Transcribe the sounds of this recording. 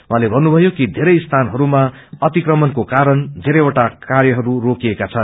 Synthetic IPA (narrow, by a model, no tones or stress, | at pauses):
wɦãlebʱʌnːubʱʌjokid̪ʱeɾʌjst̪ʰanɦʌɾumaʌt̪ikrʌmʌnkokaɾʌnd͡z̪ʱeɾʌjoʈakarjʌɦʌɾurokijekat͡sʰʌn